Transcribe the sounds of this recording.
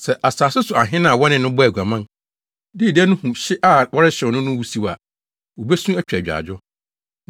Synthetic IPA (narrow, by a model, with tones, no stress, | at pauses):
sɛ˨ʔa˨saː˨sɪ˦sʊ˨a˨ɦɪ̃˦nã˦˨wɔ˦nɪ̃˨nʊ̃˦bɔ˦æ˨ɡʷa˨mã˦n | dɪ˦˨dɛ˦nʊ̃˦hũ˨ɕɪ˦ʔa˨wɔ˦ɾɪ˦ɕɪ˨nʊ̃˦nʊ̃˦wu˦si˦wa̰˨ | wo˨bɛ˦sũ˦æ˦t͡ɕᶣɛ˨d͡ʑᶣa̰˨d͡ʑᶣʊ˦